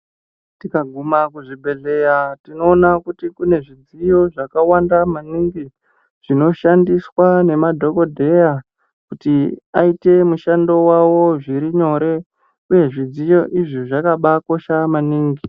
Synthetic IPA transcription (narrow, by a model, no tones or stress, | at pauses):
tikaɡʱumakuʐibʱe̞ɮe̞jatino̞ːnakutikune̞ʐid͡zijo̞ʐakawandamaniŋɡi | ʐ̥ino̞ʃandiswane̞madʱo̞ko̞dʱe̞ja | kutiaite̞muʃando̞wawo̞ʐiɾiɲo̞ɾe̞ | uje̞ʐid͡zijo̞ʔiʐiʐakaɓako̞ʃamaniːŋɡi